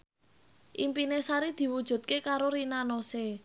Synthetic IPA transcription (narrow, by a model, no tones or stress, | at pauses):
ʔimpinesaɾid̪̥i̤wud̥ʒ̥ṳt̪̚kekaɾoɾinanose